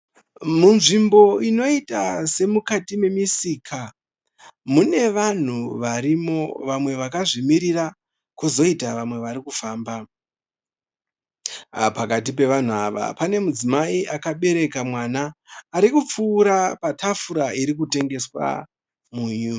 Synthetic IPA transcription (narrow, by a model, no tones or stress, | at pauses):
munʐimbo̞ino̞itase̞mukatime̞misikʰa | mune̞ʋan̤uʋaɾimo̞ʋamwe̞ʋakaʐimiɾira | kuzo̞itaʋamwe̞ʋaɾikufaːmba | pakat̬ipe̞ʋan̤uaʋa̰pane̞mud͡zimaiʔakaɓe̞ɾe̞kamwanaːɾikup͡fuːɾapatʰafuɾaiɾik̬ute̞ŋɡe̞swa̰ | muːɲu